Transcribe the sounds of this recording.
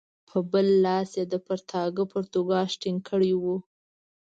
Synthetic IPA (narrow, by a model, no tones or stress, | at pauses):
pʰəbəlːɑsed̪əpaɾt̪ʰɑɡəpoɾt̪oɡɑʃʈiŋkʰəɽiwu